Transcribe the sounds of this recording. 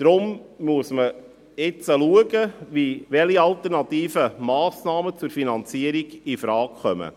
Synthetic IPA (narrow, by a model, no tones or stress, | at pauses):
d̥̪ɾʊmmuəsmə | ɪt͡səluəɡəʋiʋɛliɑlt̪ərnɑtiːfəmɑːsnɑːmət͡sʊɾfinɑnt͡siəɾiɡifɾɑːkχœmə̰